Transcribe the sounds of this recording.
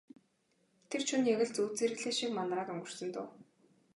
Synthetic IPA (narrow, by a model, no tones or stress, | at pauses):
t̪ʰer̥t͡ɕʰunjaɣɪ̆ɮt͡suːt͡seːɾɘ̆kɮeːʃikmanraːkɔŋɡɵ̆r̥sɘ̆nt̪ʊ̰ː